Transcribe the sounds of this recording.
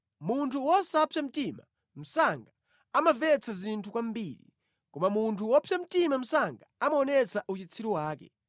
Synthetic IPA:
muntʰuwɔsaːpʰjam̩tima | m̩saŋɡa | amavɛt͡sʰazintʰukwambilḭ | kɔmamuntʰuwɔpʰjam̩timam̩saŋɡaamaɔnɛt͡sʰaʔut͡ʃit͡sʰiɾuwaːkɛ̰

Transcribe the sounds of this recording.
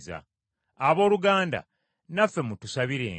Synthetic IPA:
za̰ | aβo̞ːluɡaːnda̰ | nafːe̞mutusaβiɾe̞̰ː

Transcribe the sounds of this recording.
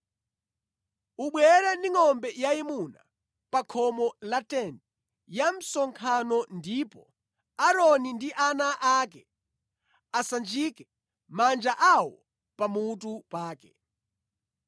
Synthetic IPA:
uɓwɛɾaniŋɔmbɛjaimuna̰ | pakʰɔmɔlatɛndɛ | jam̩sɔŋkʰanɔndipɔ̰ | aɾɔnindiʔanaʔakɛ | asand͡ʒikɛ | mand͡ʒaʔawɔ | pamutupaːkɛ

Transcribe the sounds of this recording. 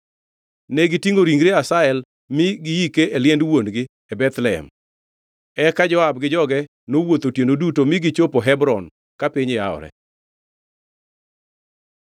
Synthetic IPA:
nɛɡɪtiŋoɾiŋɡɾeasaɛl | mɪɡɪjikeʔeljɛndwonɡɪ | ebɛt̪lɛɛ̰m | ɛkad͡ʒɔabɡɪd͡ʒɔɡɛ | nowot̪otjendodutomɪɡɪt͡ʃopoɦɛbɾɔn | kapiɲɪaɔ̰ɾɛ̰

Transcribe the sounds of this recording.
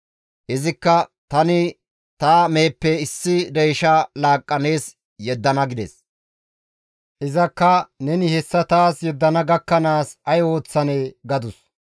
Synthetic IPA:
hɛzɪkːɐt̪ɐnɪ | t̪aːmeːpːɛɪsːɪd̪ɛjʃɐlaːkʼːɐne̞ːs | jɛd̪ːɐnɐɡɪd̪ɛs | ʔɪzɐkːɐnɛnɪhɛsːɐt̪aːsjɛd̪ːɐnɐɡɐkːɐnaːsɐjo̞ːt͡sːɐneːɡɐd̪ʊs

